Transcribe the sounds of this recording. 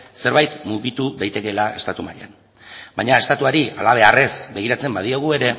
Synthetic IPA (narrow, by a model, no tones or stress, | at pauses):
se̞ɾβajt̪muɣit̪uðajt̪e̞ke̞lae̞st̪at̪umaʎa̰n | bajɲae̞st̪at̪uaɾia̰laβ̞e̞are̞sbe̞ɣ̞iɾat͡se̞mbað̞iaɣ̞ue̞ɾe̞